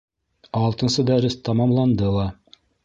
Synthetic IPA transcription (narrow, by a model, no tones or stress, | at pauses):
ɑlˠt̪ɤ̆nsɤd̪æɾɘst̪ɑmɑmlˠɑnd̪ɤlˠɑ